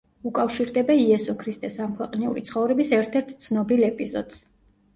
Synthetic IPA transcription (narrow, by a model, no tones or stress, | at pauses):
ukʼafʃiɾd̪ɛbaiɛsɔkʰɾist̪ʼɛsamkʰwɛqʼnɛṵɾit̪sʰχɔvɾɛbisɛɾt̪ʰɛɾt̪ʰt̪sʰnɔbilɛpʼizɔ̰d̪̥z̥